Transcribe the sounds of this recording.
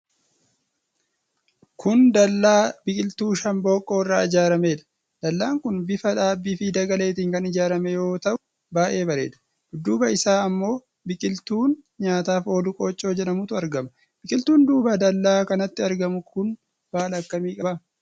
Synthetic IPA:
kʰʊnd̪ɐːaːbɪkʼɪlt̪uːʃɐnbo̞ːkʼːo̞ːɪrːaːɪd͡ʒaːɾɐmeːᶑɐ̥ | d̪̥ɐlːaːŋkʊnbɪfɐᶑaːbːiːfɪd̪ɐɡɐle̞ːt̪̬iːŋkɐnɪd͡ʒaːɾɐmɛjo̞ːt̪ɐʔʊ | baːʔe̞ːbɐɾe̞̰ːᶑ̪ɐ̥ | ʊd̪ːuːbɐɪsaːɐmːo̞ː | bɪkʼɪlt̪uːnɲaːt̪aːfo̞ːd̪ʊkʼo̞ːt͡ʃʼːo̞ːd͡ʒɛᶑɐmʊt̪ʊɐɾɡɐmɐ | b̥ɪkʼɪlt̪uːnd̪uːbɐd̪ɐlːaːkɐnɐt̪ːɪɐɾɡɐmʊkʊn | b̥aːlɐkːɐmiːkʼɐbɐ

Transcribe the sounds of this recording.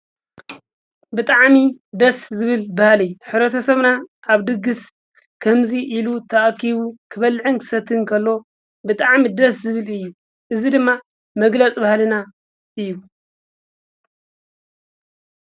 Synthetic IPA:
bɨt̪ʼaʕmid̪ɐszɨβɨlbahalɨjuħɨβɾɐt̪ʰɐsɐβnaaβd̪ɨɡɨs | kʰɐmziʔilut̪ʰɐʔkːiβukʰɨβɐlʕɨnkʰɨ̥sɐt̪ʰɨnkʰɐlːo̞ | bɨt̪ʼaʕmid̪ɐszɨβɨlɨjːu | ʔɨzid̪ɨmːa | mɐɡlɐt͡sʼbahlɨna | ʔɨjːu

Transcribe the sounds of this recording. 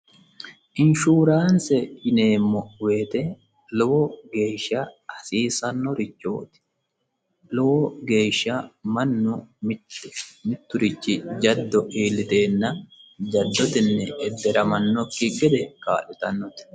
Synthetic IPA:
ʔɪnʃuːɾaːnsɛɪneːmːɔwe̞ːt̪ɛ | lɔwɔɡe̞ːʃːɐɐsiːsɐnːɔɾɪt͡ʃːo̰ːt̪ɪ̥ | lɔwɔɡe̞ːʃːɐmɐnːʊm | mɪt̪ːʊɾɪt͡ʃːɪd͡ʒɐd̪ːɔʔiːlɪt̪e̞ːnːɐd͡ʒɐd̪ːɔt̪ɪnːɛɛd̪ːɛɾɐmɐnːɔkːɪɡɛd̪ɛka̰ːlɪt̪ɐnːɔt̪ɪ̥

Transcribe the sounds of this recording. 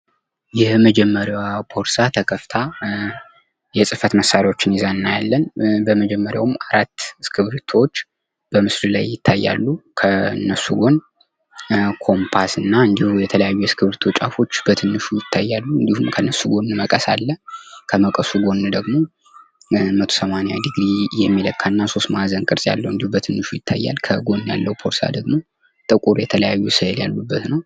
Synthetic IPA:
jɛməd͡ʒɛmːəɾjawbʰo̞ɾsat̪ʰəkʰəft̪ʰa | jɛsʼɨfət̪məsːaɾawo̞t͡ʃːɪnizanɨnːajalːənbəməd͡ʒɛmːəɾja̰wmaɾat̪ːskʰɨβɾt̪ʰot͡ʃː | b̥əmɨslɨla̰jːɪt̪ʰːajːa̰lːukʰənːəsːuɡo̞n | kʰo̞mpʰasɨnːaɨnd̪ihujɛt̪ʰələjajːujɛskʰɨβɨɾt̪ʰut͡ʃʼafo̞t͡ʃːb̥ət̪ʰɨnːɨʃujɪt̪ʰːajːalːuɨnd̪ihumkʰənːəsːuɡo̞nməkʼəsalːəkʰəməkʼəsuɡo̞nːɨd̪əɡmo̞ | mət̪ʰo̞səmaneja̰d̪ɨɡɾijɛmːiləkʰːanːaso̞st̪mazənkʼɨɾsʼja̰lːəwɨnd̪ihubət̪ʰɨnːɨʃujɪt̪ʰːa̰jːa̰lkʰəɡo̞nːja̰lːəhupʰo̞ɾsa̰d̪əɡmo̞ | t̪ʼɨkʼuɾjɛt̪ʰələjajːusəljalːubːət̪nəw

